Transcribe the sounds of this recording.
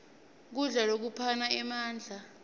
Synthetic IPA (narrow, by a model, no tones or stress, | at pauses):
k̬uɮalok̬upʰanaɛmaːnd͡ɮʱa